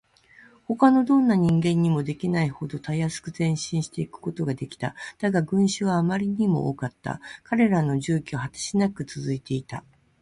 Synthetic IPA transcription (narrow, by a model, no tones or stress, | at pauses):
ho̞kano̞d̪õ̞nːaɲ̟ĩŋɡẽ̞ɲ̟ːimo̞d̪e̞kʲinaiho̞d̪o̞t̪ajasɨ̥kɯ̟zẽ̞ɕĩɰ̃ɕi̥t̪e̞ikɯ̥ko̞t̪o̞ɡad̪e̞kʲi̥t̪a̰d̪̥aɡaɡɯ̟̃ɰ̃ɕɨβaːmaɾʲiɲ̟imo̞̰ʔo̰ːkat̪ːa̰kaɾe̞ɾano̞ʑɨːkʲohat̪ḁɕinakɯ̟t͡sɨzɨit̪e̞it̪a̰